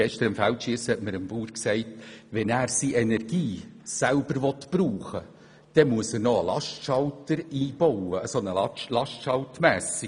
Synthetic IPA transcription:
ɛʃt̪əɾɪmfæltʃiəshɛtməɾəmbuːɾksæɪtʋɛnæːɾsiʔenɛrɡ̥iːsælbəɾʋɔtb̥ɾuːχə | d̥ɛmuəsəɾnɔəlɑʃtʃɑltəɾiːb̥ɔʊəːsonəlɑlɑʃtʃɑltmæːsi

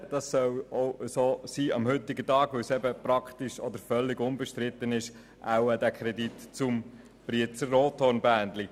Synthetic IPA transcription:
d̥ɑssœwoʊəsoːsiːɑ̰mhʏt̪ɪɡətɑːɡ̥ʋɵwsɛbəpɾɑkχt̪iʃɔd̪əɾfœlːɪɡʊnbəʃtɾɪt̪ːənɪʃ | ʔa̰wəd̪ækʰɾɛd̪itt͡sʊm | b̥ɾiət͡səroːt̪hoɾnbæːnd̪li

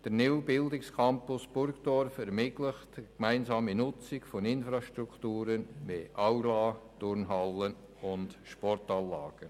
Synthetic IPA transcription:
d̥əɾnɪwbɪldɪkskʰɑmpʊsb̥ʊɾkd̥ɔɾfɛɾmɪtləχtkmæɪnzɑːminʊt͡sɪkfɔnɪnfɾɑʃtɾukʰtuːɾənʋeʔawlɑːd̥ʊɾnɦɑlːən | ʊnd̥ʃpɔrtɑːlːɑːɡ̥ə

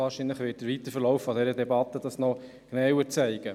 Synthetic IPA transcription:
ɑːɾʃinləχʋɪːt̚d̥əɾʋit̪əɾfəɾlɔʊfːɔd̪ɛɾədɛbɑt̪ːədɑsnɔ | ɡ̥nɛwət͡sɛɪɡ̥ə

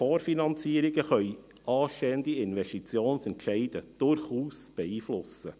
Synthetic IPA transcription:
foːɾfinɑnt͡siːəɾiɡəχœʏ | ʔɑːʃteːənd̪iɪnʋɛʃtit͡sjoːnsɛntʃɛɪd̥əd̥ʊɾχuːsb̥ɛiːflʊsə

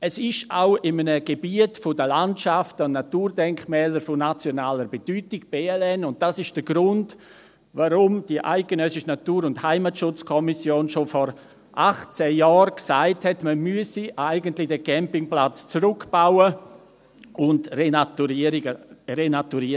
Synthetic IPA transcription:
ɛsɪʃaʊɪmənəɡ̥ebiətfʊdəlantʃaftəʊnnatuːrdɛŋkmɛːləɾfʊnat͡sjonaːləɾbed̥yːtɪɡ̥b̥eːɛlɛnʊnt̚d̥asɪʃd̥əɡɾʊnd | vaɾʊmd̥iəʔa̰ɪɡ̥enœsɪʃənatuːɾʊnthaɪmatʃʊt͡skʰɔmisjoːnʃofɔɾ | ʔaχt͡sɛjɑːɾksaɪthɛtməmyəsiʔaɪɡəntlɪdɛkʰɛmpɪŋplat͡st͡sɾʊkb̥aʊə | ʔʊndrenatuiɾərenatuɾiə

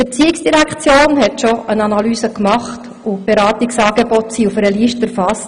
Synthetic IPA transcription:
ɛt͡siːɪksd̥iɾækχt͡sjoːnhɛtʃɔʔənɑnɑlyːsəkmɑχt | ʊb̥eɾɑːtiksɑːɡebɔtsiufəɾəliːʃtəɾfɑst

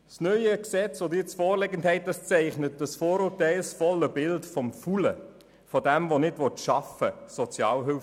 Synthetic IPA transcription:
snœʏəksɛt͡sʋodiɪt͡sfɔːɾlɛɡənthɛɪt̚dɑst͡sɛɪχnət̚d̥əsfɔːɾuːtæɪlsfɔləbɪltfɔmfulə̰ | fɔdɛmvonɪdʋɔtʃɑfəsɔt͡sjɑːlɦʏlf

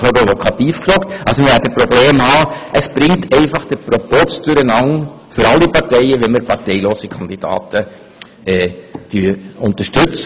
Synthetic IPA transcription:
fɔɾovɔkʰɑtiːfkfɾɔːktɑlsomɪɛtəpɾobleːmhɑːʔəsb̥ɾɪŋtʰɛɪfɑχd̥əpɾopɔt͡sd̥ʉɾənɑŋ | fʏɾɑlːipɑɾtɛɪəʋɛnməɾpʰɑɾtɛɪloːsikʰɑnd̪id̥ɑ̰ːtʰə | ɛːd̥yːʊnt̪əʃtʉt͡s

